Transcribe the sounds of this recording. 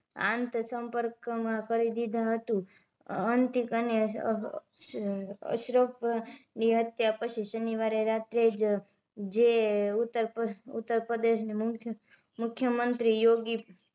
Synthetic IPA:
ã̰nt̪səmpəɾkmãkəɾid̪id̪ʱaɦət̪ũ | ənt̪ikəne | ə̰ʃɾəpniɦət̪japət͡ʃʰiʃəniʋaɾeɾat̪ɾed͡ʒ | d͡ʒeut̪ːəɾpəṵt̪ːəɾpɾəd̪eʃnim | mʊkʰːjəmənt̪ɾijoɡi

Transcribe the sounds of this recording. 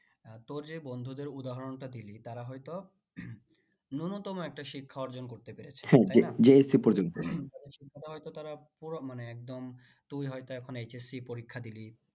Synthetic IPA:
t̪oɾd͡ʑebɔnd̪ʱud̪eɾud̪aɦɔɾonʈad̪ilit̪aɾaɦɔjt̪o | nunot̪ɔmoɛk̚ʈaʃikʰːaɔɾd͡ʑonkoɾt̪epeɾet͡ɕʰhɛ̃ed͡ʑeesipoɾd͡ʑont̪ot̪ad̪eɾʃikʰːat̪aɦɔjt̪ot̪aɾapuɾomaneɛk̚d̪om | t̪ujɦɔjt̪oɛkʰonejt͡ɕesipoɾikʰːad̪ili

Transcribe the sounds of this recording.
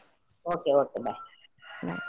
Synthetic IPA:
okeːokebana̰

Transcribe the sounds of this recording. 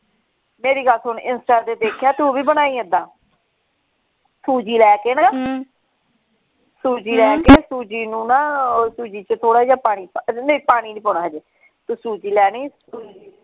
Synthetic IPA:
meːɾiːɡəlsɦʊɳɪnsʈaːd̪eːd̪eːkʰjaːt̪uːbiːbənaːiːə̃d̪aː | suːd͡ʒiːlɛːkeːnaː | suːd͡ʒiːlɛːkeːsuːd͡ʒiːnũːnaːsuːd͡ʒiːt͡ʃt̪ʰoːɽaːid͡ʒaːpaːɽ̃iːnepaːɽ̃iːniːpɔːnaːɦəd͡ʒe | t̪uːsuːd͡ʒiːlɛːniː

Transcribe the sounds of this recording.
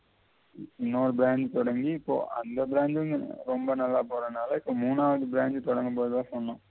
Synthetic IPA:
ɪnːoːɾɯbɪɾaːɲd͡ʒt̪ɔɽɐŋɡiːpːo̰ːʔɐ̰nd̪ɐbɪɾaːnd͡ʒɯnɾɔmbɐnɐlːaːpoːɾɐnaːlɐɪpːoːmuːnːaːʋɐðɯbɪɾaːɲd͡ʒɯt̪ɔɽɐŋɡɯmpoːðɐðãːsɔɳːɐ̃

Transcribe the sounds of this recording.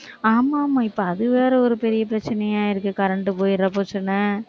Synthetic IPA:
aːmaːmaːɪpːɐɐðɯʋeːɾɐɔɾɯpɛɾɪjɐpɪɾɐt͡ʃːɐnɐjaːɪɾɯkːɯkɐɾɐɳʈɯpoːjɪɾɐpoːt͡ʃːɐnɐ

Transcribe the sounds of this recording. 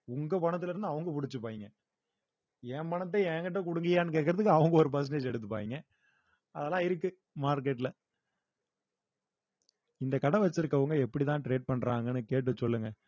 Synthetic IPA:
ʊŋɡɐpɐɳɐt̪ːɪlɪɾnd̪ɯɐʋɐŋɡɐpʊɽɪt͡ʃːɯpaːjɪŋɡɐ | ɛːpɐɳɐt̪̬ːɐɛːŋɡɐʈːɐk̬ʊɽʊŋɡɪjaːnːɯkeːʈkːɐɾɐðɯkːɯɐʋɐŋɡɐɔɾɯp̬ɛɾs̬ɳʈeːd͡ʒɛɽɯt̪ːɯpa̰ːʋɪŋɡɐ | ɐðɛlãːɪɾɯkːɯ | maːɾkeʈːɪlɐ | ɪnd̪ɐkɐɽɐʋɐt͡ʃːɪɾɯkːɐʋɐŋɡɐɛpːɐɽit̪ãːʈɾeːɖ̚pɐɳɾaːŋɡɐnɯkeːʈ̬ːɯsɔlːɯŋɡɐ

